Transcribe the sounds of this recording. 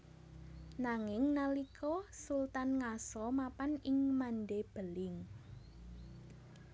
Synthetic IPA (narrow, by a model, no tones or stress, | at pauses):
naŋɪŋnalikʰɔsult̪anŋasɔmapanɪŋmanɖeb̥əlɪŋ